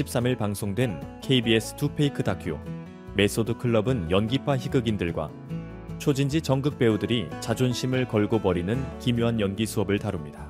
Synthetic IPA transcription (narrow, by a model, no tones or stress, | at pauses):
ɕʰip̚s͈amiɭpaŋsʰoŋdwe̞nkʰe̞ibies͈ʰɯ̥tʰupʰe̞ikʰɯdakʰjo̰ | me̞s͈odɯkʰɯɭːʌbɯnjʌnɡipʰaçiɡɯɡindɯɭɡwa̰ | t͡ɕʰod͡ʑind͡ʑit͡ɕʌŋɡɯk̚p͈e̞udɯɾit͡ɕad͡ʑonɕʰimɯɭkʌɭɡopʌɾinɯnkimjoɦanjʌnɡisʰuʌbɯɭtaɾumɲidḁ